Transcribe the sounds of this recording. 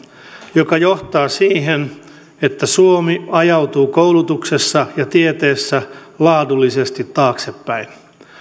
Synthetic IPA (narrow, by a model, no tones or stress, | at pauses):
jokɑjoht̪ɑːsiːɦen | et̪ːæsuomiɑjɑwt̪uːkowlut̪uksesːɑjɑt̪iet̪eːsːælɑːdulːisest̪it̪ːɑːksepːæin